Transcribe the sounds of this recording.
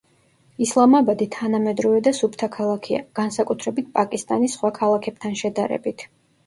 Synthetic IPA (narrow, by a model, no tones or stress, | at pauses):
islˠamabad̪it̪ʰanamɛd̪ɾɔvɛd̪asupʰt̪ʰakʰalˠakʰia̰ɡ̥ansakʼut̪ʰɾɛbit̪̚ʰpʼakʼist̪ʼanisːχwakʰalˠakʰɛb̥t̪ʰanʃɛd̪aɾɛ̰bit̪ʰ